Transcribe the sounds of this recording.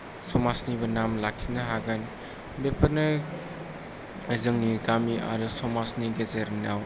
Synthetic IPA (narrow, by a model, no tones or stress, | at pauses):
sɔmasnibɐnamlak̚sinɐɦaɡan | bepʰɐnɐ | ezɯŋniɡamia̰ɾɯsɔmasniɡezeɾnaw